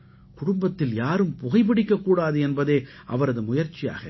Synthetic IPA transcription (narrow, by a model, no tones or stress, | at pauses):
kʊɽʊmbɐt̪ːɪljaːɾɯmpʊɣɐɪp̬ɐɽɪkːɐkːuːɽaːðɯɛnbɐðeːʔɐ̰ʋɐɾɐðɯmʊjɐɾt͡ʃːɪja̰ːɣɐ